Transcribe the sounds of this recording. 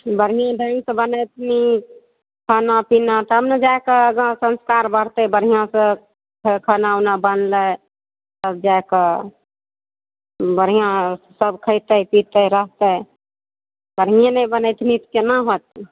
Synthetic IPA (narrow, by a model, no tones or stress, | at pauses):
bəɽ̤ɦijãɖʱə̃nsə̃bənəjt̪ʰni | kʰənapinat̪ɔɦəmned͡ʒaekəɡə̃sə̃nskaɾbəɽt̪əbəɽ̤ɦijãsə̃ | kʰkʰənaunabənlə | səbd͡ʒaekə | bəɾ̤ijã | səbkʰəɪt̪əpit̪əɾəɦt̪ə | bəɽ̤ɦijãnəbənəjt̪ʰnit̪kenəɦot̪̚